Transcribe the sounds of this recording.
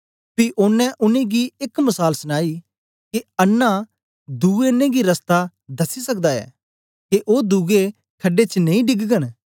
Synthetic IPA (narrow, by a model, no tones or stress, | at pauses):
piʔʊnːɛ̃ʔʊnẽɡiɪkmɐsaːlsəñaːi | keɐnːa | d̪uːɡenẽɡiɾɐst̪a | d̪ɐsːisɐk̚d̪aɛ̰ː | keʔoːd̪uːɡe | kʰɐɖet͡ʃənɐĩɖɪɡɡəñ